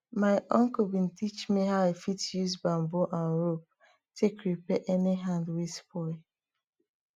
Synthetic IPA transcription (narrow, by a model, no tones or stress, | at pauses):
maɪʔɔ̃ŋk̩bĩn̩tit͡ʃmiɦaʊefitjuzbãmboʔãnɹop̚ | tʰekɹipɛʔɛniɦãndwispɔɪ